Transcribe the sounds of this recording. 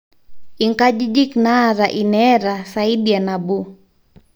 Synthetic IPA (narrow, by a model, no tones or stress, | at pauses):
iŋkad͡ʒid͡ʒiknaɾaʔinɛɾasaiɗianabu